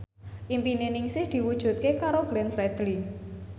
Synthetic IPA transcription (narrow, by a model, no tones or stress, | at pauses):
ʔimpinenɪŋsɪhd̪̥i̤wud̥ʒ̥ṳt̪̚kekaɾoɡ̥lɛnfɾɛd̪̥li